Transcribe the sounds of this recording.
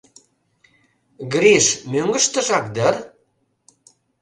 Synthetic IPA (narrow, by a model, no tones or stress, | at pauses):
ɡɾiʃmøŋɡə̆ʃt̪ə̆ʒɑk̚d̪ər